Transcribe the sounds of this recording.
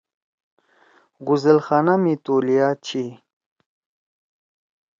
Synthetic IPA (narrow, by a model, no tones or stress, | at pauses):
ɡuzelxaːnamit̪oːlijaːt͡ɕʰi